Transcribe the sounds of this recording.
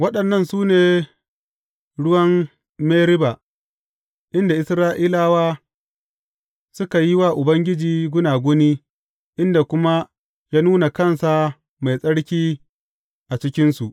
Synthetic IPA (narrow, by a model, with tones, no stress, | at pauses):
wɐ˦ɗɐ˨nːɐ˦˨nsuː˦neː˨ | ɽʊ˦wɐ˦m | meː˦ɾɪ˦ba˨ | ʔɪ˦nda˨ʔɪ˨˦sɾaː˦ʔiː˦laː˦waː˦ | sʊ˦ka˨ji˦waː˦˨ʔʊ˨bɐ˦ŋɡʲɪ˦d͡ʒiː˨ɡʷʊ˦naː˨ɡʷʊ˦niː˦ | ʔɪ˦nda˨kʷʊ˦ma˦ | jaː˦nuː˦na˨kɐ˦˨nsa˨ | ma˨jsʼɐ˦ɽkʲiː˦ | ʔa˨t͡ʃɪ˦kʲɪ˦nsu˨ʔ